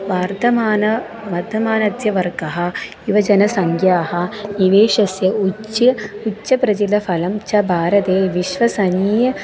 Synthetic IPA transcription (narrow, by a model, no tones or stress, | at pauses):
ʋaːɾt̪ɐmaːnɐ | ʋɐːɾd̪ʱɐmaːnɐd̪ʱjɐʋɐɾkɐɦɐ̆ | iʋɐd͡ʒɐnɐsɐŋkjaːɦɐ̆iʋeːʂɐsjɐuiutːʃɐpɾɐd͡ʒilɐfʰɐlɐmt͡ʃɐbʱaːɾɐt̪eːʋiʃʋɐsɐniːjɐ